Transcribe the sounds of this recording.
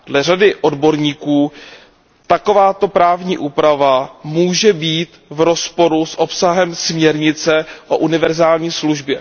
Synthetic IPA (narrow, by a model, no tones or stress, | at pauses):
dlɛr̝adɪʔo̞dbo̞ɾɲiːkuː | t̪ako̞vaːt̪o̞pɾaːvɲiːʔuːpɾavamuːʒɛbiːt̪vɾo̞spo̞ɾusʔo̞psaɦɛmsmɲɛɾɲɪt͡sɛʔo̞ʔunɪvɛɾzaːlɲiːsluʒbjɛ